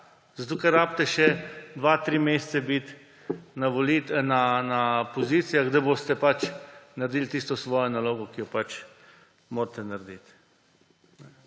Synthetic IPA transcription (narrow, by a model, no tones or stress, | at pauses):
zat̪okɛɾːaːpt̪ɛʃɛd̪ʋat̪ɾiːmeːst̪sɛbit̪ | naʋolit̪nanapoziːt̪sijaɣɡd̪aboːst̪ɛpat͡ʃnaɾd̪iːlt̪ist̪ɔsʋɔːjɔnaloːɡɔkijɔpat͡ʃ | moːɾt̪ɛnaɾd̪it̪ | nɛ